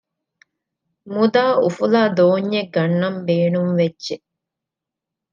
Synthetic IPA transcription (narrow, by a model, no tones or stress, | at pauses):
mud̪aːufulaːd̪oːɲːeɡːɐnːɐmbeːnumʋedːʒe